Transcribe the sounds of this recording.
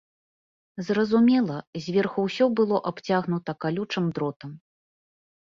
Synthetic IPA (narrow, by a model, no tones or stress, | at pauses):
zrɐzumʲɛlˠɐzʲvʲerxuwsʲɔbɨlˠɔʔapt͡sʲaɣnut̪ɐkalʲut͡ʂɨmd̪ɾɔt̪ɐm